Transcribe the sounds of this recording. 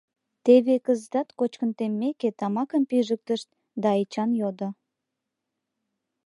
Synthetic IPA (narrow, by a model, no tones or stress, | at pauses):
t̪eβekəzd̪ɑt̪kot͡ɕkənt̪emːeket̪ɑmɑkəmpiʒək̚t̪əʃt̪̚ | d̪ɑet͡ɕɑnjod̪o